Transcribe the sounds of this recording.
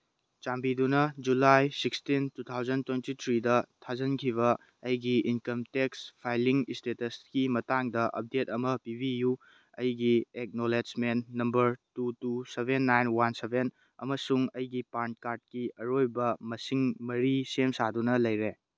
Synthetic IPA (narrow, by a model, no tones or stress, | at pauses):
t͡ʃambidunɐd͡ʒulajsikstintut̪ʰawd͡ʒɐntwejntitʰɾidɐtʰazɐnkʰiβɐ | ɐjɡiinkɐmtekspʰajliŋistetɐskimɐtaŋdɐʔɐ̰p̚detɐmɐpibʱiju | ɐ̰jɡiek̚noled͡ʒmennɐmbɐɾtutusebʱenːajnwansebʱen | ɐ̰mɐsuŋɐjɡipan̚kaɾd̚kiɐɾojbɐmɐsiŋmɐɾisemsadunɐlɐjɾe